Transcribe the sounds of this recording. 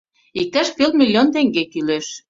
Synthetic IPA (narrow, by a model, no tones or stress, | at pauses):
ik̚t̪æʃpelmʲilʲːont̪eŋɡekyleʃ